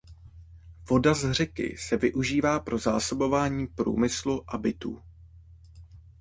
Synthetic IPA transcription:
vo̞dazr̝ɛkɪ̰sɛvɪʔuʒiːvaːpɾʔo̞za̰ːso̞bo̞vaːɲiːpɾṵːmɪsluʔabɪt̪ṵː

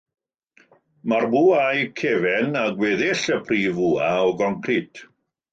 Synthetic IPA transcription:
marbuajkʰevɛnaɡwɛːðɪɬəpʰriːvuaɔɡɔŋkʰrɪtʰ

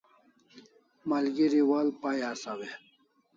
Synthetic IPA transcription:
malɡiɾiwalpajasawe

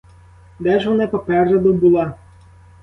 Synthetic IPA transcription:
d̪ɛʒʋɔnapɔpɛrʒɐd̪ɔbulˠa

